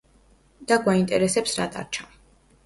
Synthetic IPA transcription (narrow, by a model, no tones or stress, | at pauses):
d̪̥aɡwaint̪ʼɛ̰ɾɛsɛpsɾa̰t̪ʼa̰ɾt͡ʃʰa